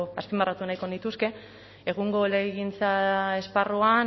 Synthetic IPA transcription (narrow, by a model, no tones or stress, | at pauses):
aspimbarat̪unajko̞nit̪uske̞ | eɣuŋɡo̞leɣint͡sae̞sparuan